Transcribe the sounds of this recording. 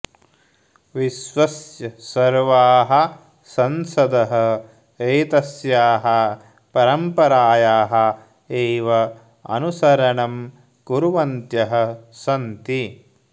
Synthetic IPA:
ʋiʃʋɐsjɐsɐɾʋaːɦɐ̆ | sɐnsɐd̪ɐɦɐ | eːt̪ɐsjaːɦɐ | pɐɾɐmpɐɾaːjaːɦɐ̆ | eːʋɐ | ɐ̰nusɐɾɐɳɐm | kuɾuʋɐnt̪jɐɦɐ̆sɐnt̪i

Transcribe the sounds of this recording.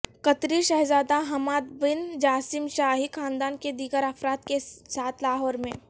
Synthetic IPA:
kɐt̪ɾiʃɐɦzaːd̪aɦɐmaːd̪bɪnd͡ʒaːsɪmʃaːɦikʰaːnd̪aːnked̪iːɡəɾɐfɾaːt̪kesaːt̪ʰlaːɦɔːɾmẽː

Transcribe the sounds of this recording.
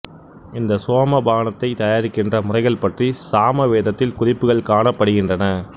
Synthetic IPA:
ɪnd̪ɐsoːmɐbaːnɐt̪ːɐɪt̪ɐjaːɾɪkːɪndrɐmʊrɐɪɣɐɭpɐʈrisaːmɐʋeːðɐt̪ːɪlkʊrɪpːɯɣɐɭkaːnɐpːɐɽɯɣɪndrɐnɐ

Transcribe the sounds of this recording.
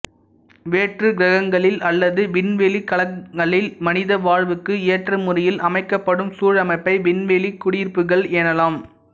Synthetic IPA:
ʋeːʈrɯɡɾɐɣɐŋɡɐɭɪlɐlːɐðɯʋɪnʋeːlikɐɐɡɐɭɪlmɐnɪðɐʋaːɻʋɯkːɯeːʈrɯmʊrɪjɪlʔɐmɐɪkːɐpːɐɽɯmsuːɻɐmɐɪpːɐɪʋɪnʋeːlikːʊɽiːrpɯɣɐɭeːnɐlaːm

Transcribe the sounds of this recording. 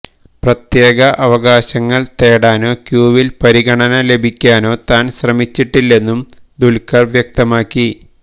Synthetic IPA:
prɐt̪je̞ːɣɐʔɐʋɐɣaːɕɐŋːɐɭt̪eːɽaːno̞ːkjuːʋilpɐɾiɣɐɳɐnɐle̞bʱikʲːaːno̞ːt̪aːnɕrɐmit͡ɕːiʈːilːe̞nːumd̪ulkɐrʋjɐk̚t̪ɐmaːkːi

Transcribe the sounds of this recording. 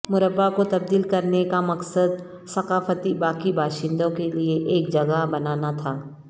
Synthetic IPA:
mʊɾəbːakot̪ɐb̚d̪iːlkɐɾnekamɐqsəd̪̚ | sɐqaːfət̪ibaːkibʱaːʃɪ̃nd̪õkelieʔeːk̚d͡ʒɐɡaɦbɐnaːnat̪ʰaː

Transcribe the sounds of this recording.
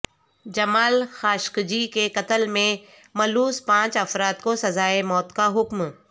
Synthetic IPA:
d͡ʒɐmaːlxaːʃkd͡ʒikekɐt̪əlmẽ | mɐluːspãːt͡ʃɐfɾaːt̪kosɐzaːemɔːt̪kaɦʊkm

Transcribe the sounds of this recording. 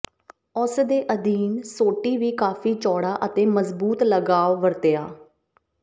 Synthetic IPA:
ʊsd̪eːʔəd̪iːnsoːʈiːʋiːkaːfʰiːt͡ʃɔːɽaːʔət̪eːməzbuːt̪ləɡaːʋʋəɾt̪eaː

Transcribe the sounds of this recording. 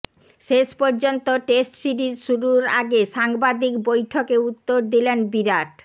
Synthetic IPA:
ʃeʃpɔɾd͡ʑont̪oʈesʈsiʈiʃuɾuɾa̰ɡeʃaŋbad̪ikbojʈʰokeut̪ːoɾd̪ilenbiɾaʈ

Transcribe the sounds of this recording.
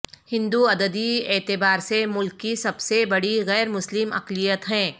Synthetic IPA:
hɪ̃nd̪uɐd̪əd̪ieːt̪ɪbaːɾsemʊlkːisɐbsebɐɽiɣɛːɾmʊslɪmɐ̰qlijət̪ɦɛ̃ː

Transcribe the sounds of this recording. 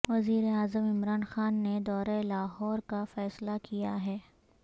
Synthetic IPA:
ʋɐziːɾeaːzəmɪmɾaːnxaːnːed̪ɔːɾaelaːɦɔːɾkafɛːslakijaɦɛː

